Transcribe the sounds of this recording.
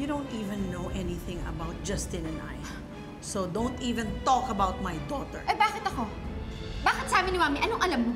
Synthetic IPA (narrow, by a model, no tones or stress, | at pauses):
jud̪õʊ̃nt̪iːvɛ̃nːoʔɛniθɪ̃ŋɐ̰baʊt̪̚d͡ʒɐst̪ɪ̃nɛ̃nʔa̰j | sod̪õwnt̪iːvɛ̃nt̪ɔkɐbawt̪̚majd̪ɔt̪ɛ̰ɹʔɐbaːkɪt̪ɐko̞ | baːkɪt̪saːbɪnɪwaːmɪʔɐnoŋʔɐlam